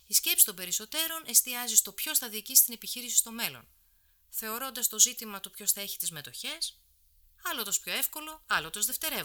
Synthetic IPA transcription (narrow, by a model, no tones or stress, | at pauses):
isce̞psi̥t̪o̞mbe̞ɾiso̞t̪e̞ɾo̞nʔe̞st̪iɐzist̪o̞pço̞sθɐðiːcisi̥t̪ine̞piçiɾisi̥st̪o̞me̞lo̞̰n | θe̞o̞ɾo̞nd̪ɐst̪o̞zit̪imɐt̪upço̞sθɐe̞çi̥t̪izme̞t̪o̞çe̞s | ɐlot̪ospço̞e̞fko̞lo̞ɐlot̪ozðe̞ft̪e̞ɾe̞